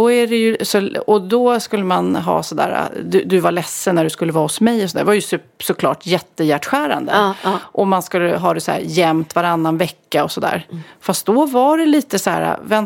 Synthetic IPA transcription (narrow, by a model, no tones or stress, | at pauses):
ɔæɖɛjɵsɔɔd̪ɔskɵlːəmanɦɑ̰ːsɔd̪æ̰ːɾa̰d̪ɵd̪ɵvaɭɛsːənːæɖɵskɵlːəvɑːhɔsmɛjɔsɔnd̪æ̰ɾvaɾjɵsʉsɔkʰlɑ̰ːʈjɛt̪ːəjæʈɧæːɾa̰nd̪ə̰ʔɔmanskɵlːəɦɑːd̪ɛsæ̰ːɾjɛmt̪vaɾanːanvɛkːaɔsɔd̪æ̰ːɾfast̪̚d̪ɔvaɖɛliːt̪əsæ̰ːɾa̰vɛn